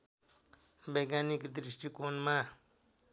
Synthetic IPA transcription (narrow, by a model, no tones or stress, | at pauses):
beɡanikd̪ɾisʈikonma